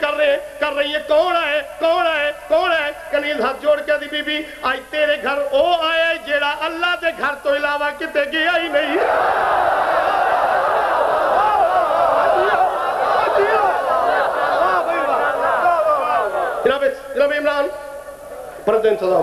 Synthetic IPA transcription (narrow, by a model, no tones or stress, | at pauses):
kəɾekɐɾːəɦiẽkoːnaːekoːnaːekoːnaekəniːlãːt̪̚d͡ʒoːɽkɛːd̪ibiːbi | aːit̪eːɾeɡʱəɾoːaːeaːd͡ʒeːɽaʔɐlːat̪eɡʱɐɾt̪õɪlaːʋakɪt̪eɡejaːinəĩ | kɪnaːbet͡ʃkɪnaːbiɪmɾaːn | pɐɾnt̪uɪnsəd̪aː